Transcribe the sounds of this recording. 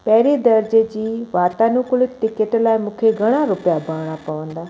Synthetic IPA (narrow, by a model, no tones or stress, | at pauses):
pɛɦɪɾid̪ɐɾd͡ʑed͡ʑiːʋaːt̪anũkʊlʊtɪkəʈlaːɪmũːkʰeɡʱɐɽ̃aɾʊpijabʱaːɽ̃apɐʋə̃nd̪aː